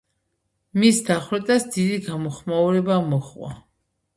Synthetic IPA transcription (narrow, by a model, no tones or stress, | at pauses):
misd̪aχwɾɛt̪ʼasd̪id̪iɡamɔχmauɾɛbamɔχvwa̰